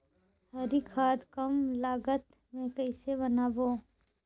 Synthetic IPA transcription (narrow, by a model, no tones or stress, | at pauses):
ɦəɾikʰaːd̪kəmlaːɡət̪ | mẽkəɪsebənaːboː